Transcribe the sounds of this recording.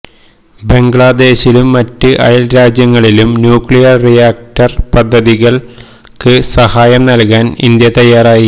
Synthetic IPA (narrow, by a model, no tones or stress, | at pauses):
be̞ŋɡɭad̪e̞ːɕilumːɐtːɨʔɐ̰jɐlɾaːd͡ʑjɐŋːɐɭilumnjuːkɭijɐrrijaːk̚ʈɐrpɐd̪ʱːɐðiɣɐɭ | kɨsɐhaːjɐmnɐlkaːnḭnd̪jɐt̪ɐjːaːraːji